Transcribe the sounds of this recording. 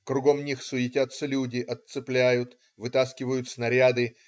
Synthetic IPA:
kɾʊɡo̞mnʲixsʊɪtʲat̪sːəlʲudʲɪʔɐt̪sɨplʲæjʊt̪ | vɨt̪askʲɪvəjʊt̪snɐɾʲad̪ɨ

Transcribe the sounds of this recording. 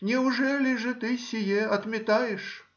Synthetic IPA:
nʲiwʐɛlʲiʐɨt̪ɨsʲɪjɛɐd̪mʲɛt̪ajɛʂ

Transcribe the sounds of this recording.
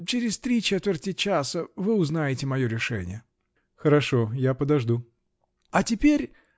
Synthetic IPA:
t͡ɕeɾʲɪst̪ɾʲit͡ɕet̪vʲɪrtʲɪt͡ɕasəvɨʊznajɪtʲɪmɐjo̞ɾʲɪʂɛ̰nʲɪ̰jə | xəɾɐʂojapəd̪ɐʐd̪u | ɐtʲɪpʲeɾʲ

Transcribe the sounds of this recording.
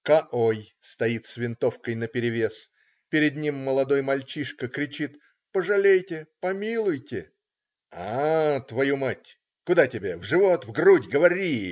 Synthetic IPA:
kɐʔoj | st̪ɐit̪svʲɪnt̪o̞fkəjnəpʲɪɾʲɪvʲe̞s | pʲɪɾʲɪd̪nʲimːəlˠɐd̪o̞jmɐlʲt͡ɕiʂkəkɾʲɪt͡ɕit̪ | pəʐɨlʲejtʲɪpɐmʲilˠʊjtʲɪ | at̪vɐjumatʲ | kʊd̪atʲɪbʲevʐɨvot̪vɡrudʲɡəvɐɾʲi

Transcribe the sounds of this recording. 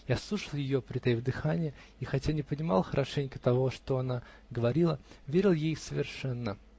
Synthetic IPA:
jaɐslˠuʂəlˠjɪjopɾʲɪt̪ɐjvd̪ɨxanʲɪjə | ixɐtʲanʲɪpənʲɪmɑlˠxəɾʔɐʂɛnʲkət̪ɐvo̞ʂt̪oɐna | ɡəvɐɾʲilˠəvʲeɾʲɪlˠjejsəvʲɪrʂɛnːə

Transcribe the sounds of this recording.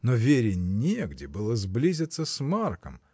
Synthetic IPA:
novʲeɾʲɪnʲeɡdʲɪbɨlˠəzblʲizʲɪt̪səsʲmarkəm

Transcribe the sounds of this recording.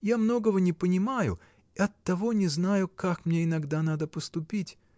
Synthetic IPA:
jamno̞ɡəvənʲɪpənʲɪmajʊ̰ | ɪɐt̪ːɐvo̞nʲɪznajʊkakmnʲeɪnɐɡd̪anad̪əpəst̪ʊpʲitʲ

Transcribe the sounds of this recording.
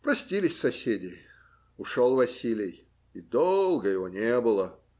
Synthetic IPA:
pɾɐsʲtʲilʲɪsʲsɐsʲedʲɪ | ʊʂolˠvɐsʲilʲɪj | id̪olˠɡəjɪvonʲebɨlˠə

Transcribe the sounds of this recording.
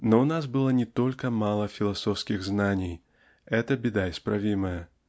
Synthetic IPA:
nɔwnasbɨlˠɔnʲɛt̪ɔlʲkɐmalˠɐfʲilˠasɔwskʲiɣznanʲij | ɛt̪ɐbʲɛd̪aispɾavʲimɐjɐ

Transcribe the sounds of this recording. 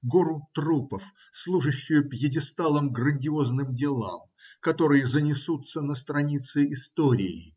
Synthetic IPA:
ɡoɾʊt̪ɾupəf | slˠuʐɨɕːɪjʊpjɪdʲɪst̪alˠəmɡɾənʲdʲɪo̞znɨmdʲɪlˠa̰m | kɐt̪o̞ɾɨjəzənʲɪsut̪sənəst̪ɾɐnʲit̪sɨɪst̪oɾʲɪ̰ɪ̰

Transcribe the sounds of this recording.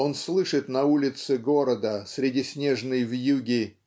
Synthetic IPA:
o̞nslˠɨʂɨt̪nɐulʲɪt̪sɨɡo̞ɾəd̪əsʲɾʲɪdʲisʲnʲe̞ʐnɨjvjuɡʲɪ

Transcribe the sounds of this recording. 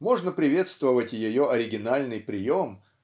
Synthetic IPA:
mo̞ʐnəpɾʲɪvʲe̞t̪st̪vəvətʲjɪjo̞ʔɐɾʲɪɡʲɪnalʲnɨjpɾʲɪjo̞m

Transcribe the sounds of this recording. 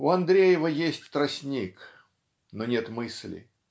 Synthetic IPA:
ʊɐnd̪ɾʲejɪvəjesʲtʲt̪ɾɐsʲnʲik | nonʲe̞t̪mɨsʲlʲɪ̰

